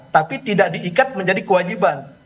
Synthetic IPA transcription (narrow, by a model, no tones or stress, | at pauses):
t̪apit̪idaʔdiːkat̪̚məɲd͡ʒadikəwad͡ʒiban